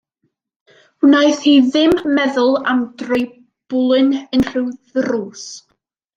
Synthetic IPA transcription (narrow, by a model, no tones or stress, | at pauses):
naɨθhiðɪmːɛðʊlˠamdrɔj | b̥ʊlˠɨnənr̥ɨwðruːs